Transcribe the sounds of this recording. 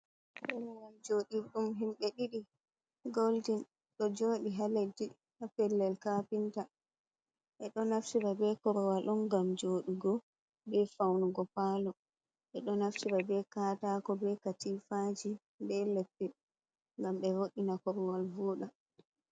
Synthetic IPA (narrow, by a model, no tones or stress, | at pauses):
kɔɾɔwald͡ʒoːɗiɗumɦimɓɛɗiɗi | ɡoldin | ɗɔd͡ʒoːɗiɦalɛdi | hapɛlːɛlkapinta | ʔɛɗɔnafsiɾabɛkɔɾɔwalʔɔnɡamd͡ʒoːɗiɡɔ | bɛfawnuɡɔpaːlɔ | ɓɛɗɔnaftiɾabɛkaːtakɔbɛkatifad͡ʒi | bɛlepːi | ŋɡamɓɛwoɗinakɔɾɔwalvuːɗa